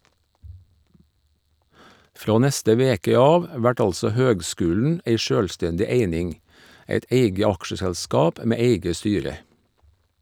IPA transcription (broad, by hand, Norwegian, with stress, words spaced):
ˈfɾoː ˈnɛstə ˈʋeːkə ˈɑːʋ ˈʋæʈ ˈɑlsɔ ˈhøːɡˌskʉːln̩ ˈʔeɪ ˈʃøːlˌstɛndɪ ˈeɪnɪŋ ˈeɪt ˈʔeɪɡə ˈɑkʃəsælˌskɑːp ə ˈmeː ˈeɪɡə ˈstyːɾə